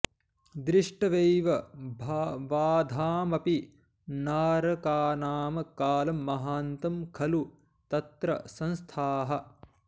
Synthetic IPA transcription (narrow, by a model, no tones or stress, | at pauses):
d̪ɾiʂʈɐʋejʋɐbʱʋaːd̪ʱaːmɐpi | naːɾɐkaːnaːmɐkaːlɐmːɐɦaːnt̪ɐmkʰɐlu | t̪ɐt̪ɾɐ̰sɐ̃nst̪ʰaːɦɐ